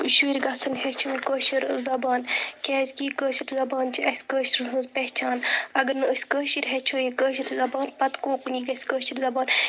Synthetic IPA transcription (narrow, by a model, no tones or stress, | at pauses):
uʃwiːɾɡɐt͡sʰɐnhɛt͡ʃʰuːnʲkəːʃiɾzɐbaːnkʲɛːzʲkiːkəːʃiɾzɐbaːnt͡ʃʰiɐsʲkəːʃiɾɨsɐnzpɛht͡ʃʰaːnɐɡɐɾnɨəsʲkəːʃiɾɦɛt͡ʃʰuːjikəːʃ̬iɾzɐbaːnpɐt̪koːkuniːɡɐsʲkəːʃiɾzɐbaːn